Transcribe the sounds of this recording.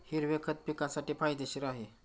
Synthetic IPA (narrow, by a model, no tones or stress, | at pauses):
hiɾʋekʰət̪̚pikasaʈiːpajd̪eɕiːɾaɦe